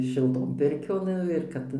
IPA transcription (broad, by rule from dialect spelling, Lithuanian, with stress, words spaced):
ʃʲɪlˠˈtoːn ˈpʲɪrʲkʲoːn ˈnʊ ɪr ˈkɐt